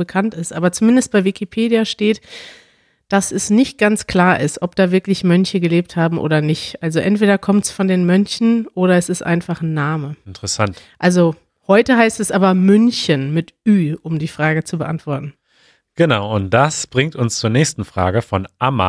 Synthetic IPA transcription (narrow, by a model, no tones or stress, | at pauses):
bəkʰantɪstʔaːbɐt͡sumɪndəst̚b̥aɪvɪkʰipʰeːdijaʃteːt | d̥asɛsnɪçt̚ɡ̥ant͡skʰl̥aːɐʔɪstʔɔp̚d̥aːvɪɐklɪçmœnçəɡəleːp̚thaːbm̩ʔo̰ːɾɐnɪçtʔalzoʔɛntv̥eːɾɐkʰɔmtsfɔndeːnmœnçn̩ʔoːɾɐɛsɪstʔa̰ɪnfaχnːaːməɪntəʁəsantʔalzo | hɔʏtəɦaɪstɛsʔaːbɐmʏnçənmɪtʔyːʔʊmdiːfʁ̥aːɡət͡subəʔa̰ntv̥ɔɐtn̩ | ɡ̥ənaʊʊnt̚d̥asb̥ʁɪŋtʊnst͡suːɐnɛːçstn̩fʁ̥a̰ːɡəfɔnʔama̰